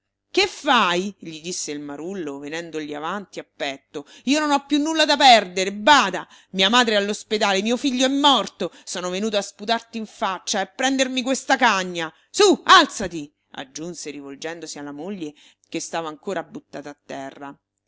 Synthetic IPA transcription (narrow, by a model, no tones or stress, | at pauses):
kefːajʎid̪isːeilmaɾulːovenɛnd̪oʎiavant̪iapːɛt̪ːo | iːononɔpːjunːulːad̪apɛrd̪eɾebaːd̪a | miːamaːd̪ɾealːosped̪aːlemiːofiʎːoɛmːɔrt̪osɔːnovenuːt̪̬oasput̪art̪iiɱfat͡ʃːaepːɾɛnd̪ermikwest̪akaɲːa | sualt̪sat̪i | a̰d͡ʒːunseɾivold͡ʒɛnd̪osialːamoʎːe | kest̪aːvaːŋkoːɾʔabːut̪ːa̰ːt̪aːt̪ːɛrːa